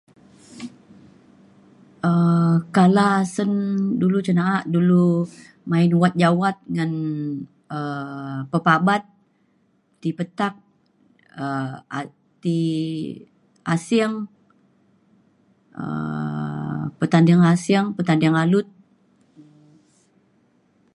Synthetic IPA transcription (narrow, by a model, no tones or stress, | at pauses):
əkalasəndulut͡ʃənaːʔdulu | maɪnwat̪̚d͡ʒawat̪̚ŋan | əpəpabat̪̚ː | ipət̪ak̚ | əa | t̪i | ʔasɪŋ | ə̰ | pət̪andiŋasɪŋpət̪andɪŋalʊt̪̚